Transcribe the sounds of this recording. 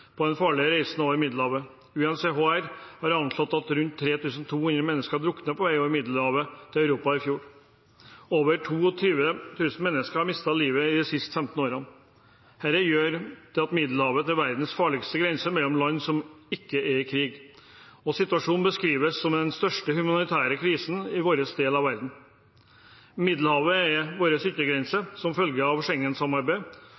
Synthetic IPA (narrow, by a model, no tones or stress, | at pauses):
pʰɔd̪ɛnfɑːɭɪəɾæɪsn̩oːʋəɾmɪd̪lhɑːʋə | ʉːɛnseɦoːæɾhɑɾɑntlɔt̪ːɑt̪ɾʉnt̪ʰːɾeːt̪ʉːsn̩t̪ʰuːhʉnd̪ɾəmɛnːəskəɑɖ̪ɾʊkːnəpʰɔʋæɪoːɾmɪd̪ləhɑːʋət̪ʰɪlɑʉɾuːpɑɪfjuːɾ | oːʋəʈʰuːɔt̪ʰyːʋət̪ʰʉːsn̩mɛnːəskəhɑɾmɪst̪ɑliːʋəɪd̪ɛsɪst̪fɛmt̪n̩oːɾɑn | hæɾəjøːɾd̪̥ɛɑt̪mɪd̪l̩hɑːʋət̪æɾʋæɾd̪n̩sfɑːɭɪɡst̪əɡɾɛnsəmɛlːɔmlɑnːsɔmɪkːəɛɾkʰɾiːɡ | ɔsɪt̪ʉɑʂuːnbəskɾiːʋəsːɔmd̪ɛnst̪œʂʈəhʉmɑnɪt̪ʰæːɾəkʰɾiːsn̩ɪʋoːɾəsd̪eːlɑʋæɾd̪n̩ | mɪd̪l̩hɑːʋəɛʋoːɾəsʏt̪ːəɡɾɛnsəsɔmfœlɡəɑʋʂɛŋːənsɑmɑɾbæɪ